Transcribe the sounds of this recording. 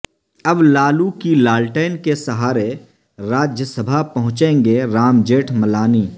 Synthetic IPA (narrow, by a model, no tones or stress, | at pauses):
ɐblaːlukilaːlʈəɪnkesɐɦaːɾe | ɾaːd͡ʒjəsəbʱapɐɦʊ̃t͡ʃẽːŋɡeɾaːmd͡ʒeːʈʰmɐlaːniː